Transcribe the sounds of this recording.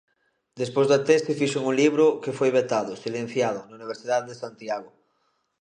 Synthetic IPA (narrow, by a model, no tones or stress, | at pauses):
d̪espojzðat̪est̪ifiʃoŋuŋliβ̞ɾʊkefojβet̪aðʊsilẽn̟θjaðʊnauniβ̞eɾsiðaððesant̪jaɣo